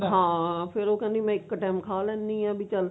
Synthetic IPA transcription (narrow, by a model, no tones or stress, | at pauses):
ɦãːpʰɪɾoːkɛ̃nd̪imɛ̃ːɪkːʈɛːmkʰaːlɛ̃ːnd̪ĩːãːbʱiːt͡ʃəl